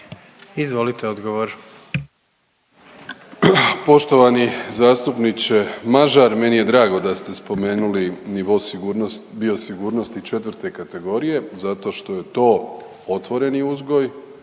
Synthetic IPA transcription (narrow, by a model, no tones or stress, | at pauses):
izʋo̞lit̪eod̪ɡoʋoɾ | po̞ʃt̪o̞ʋanizaːst̪upnit͡ɕe̞maʒaɾme̞nije̞d̪ɾaːɡo̞d̪ast̪e̞spo̞me̞ːnuliniʋo̞ | biosiɡuːɾno̞st̪it͡ʃe̞t̪ʋrɾt̪e̞kat̪e̞ɡo̞ɾije̞zat̪o̞ːʃt̪o̞je̞t̪o̞ː | ot̪ʋo̞ɾe̞niuzɡo̞j